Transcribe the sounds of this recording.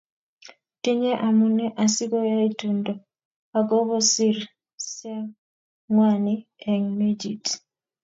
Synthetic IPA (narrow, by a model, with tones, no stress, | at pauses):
ti˦ɲɛ˦ʔa˨mu˨nɛ˦ʔa˨si˦ɡɔ˦ja˦i˦tundɔ˨ | a˨ɡɔ˦bɔ˦si˦ɾ | sɛ˦ | ŋwani˦ɛ˨ŋme˦d͡ʒḭ˨t